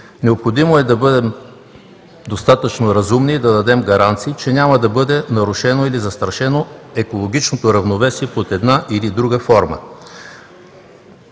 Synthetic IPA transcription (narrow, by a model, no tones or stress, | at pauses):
nɛopxod̪imoɛd̪ɐbɤd̪ɛm | d̪ost̪at̪ət͡ʃnoɾɐzumnid̪ɐd̪ɐd̪ɛmɡɐɾant̪siːt͡ʃɛnʲamɐd̪ɐbɤd̪ɛnɐɾuʃɛnoilizɐst̪ɾɐʃɛnoɛkolˠoɡ̟ʲit͡ʃnot̪oɾɐvnovɛsiɛpot̪ɛd̪naʔilid̪ɾuɡəfɔɾmə̰